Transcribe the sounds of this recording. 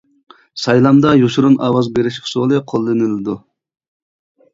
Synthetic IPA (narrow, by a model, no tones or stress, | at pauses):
sɑjlˠɑmd̪ɑjuʃuɾunʔɑːwɑzbeɾɪʃkʲʰɪ̥solˠɨqʰolˠːɨnɨlɨd̪u